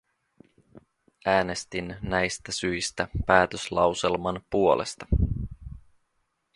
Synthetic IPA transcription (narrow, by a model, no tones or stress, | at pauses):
ʔæːne̞st̪inːæjst̪æsyjst̪æpæːt̪øslɑwselmɑnpuo̞lḛst̪ɑ